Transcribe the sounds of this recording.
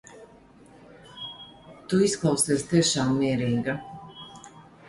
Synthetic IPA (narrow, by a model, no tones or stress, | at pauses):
t̪uisklˠawsɛːst̪iɛʃaːmːiɛɾiːɡa